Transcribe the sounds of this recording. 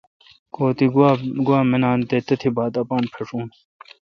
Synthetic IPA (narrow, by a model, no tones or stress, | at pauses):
koːt̪iɡaɡuwaːmenaːnt̪et̪ɐt̪ʰibaːt̪ɐpaːnpʰeʂuːn